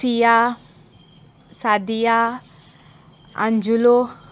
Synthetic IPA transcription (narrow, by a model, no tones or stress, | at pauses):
ija | sad̪ija | a̰nd͡ʒulo